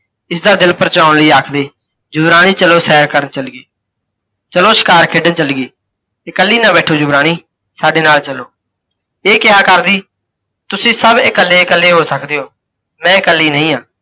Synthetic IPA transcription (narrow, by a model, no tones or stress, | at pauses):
ɪsd̪aːd̪ɪlpəɾət͡ʃãːʊɳləiːaːkʰd̪eː | d͡ʒʊbɾaːniːt͡ʃəloːsɛːɾkəɾənt͡ʃəlɡeː | t͡ʃəloːʃɪ̥kaːɾkʰeːɖənt͡ʃəlɡeː | ɪkəlːiːnãːbɛːʈʰoːd͡ʒʊbɾaːniː | saːɖeːnaːlt͡ʃəloː | eːkɪɦaːkəɾd̪iː | t̪ʊsĩːsəbɪkəlːeːkəlːeːɦoːsəkd̪eːoː | mɛ̃ːɪkəlːiːnəĩːɦãː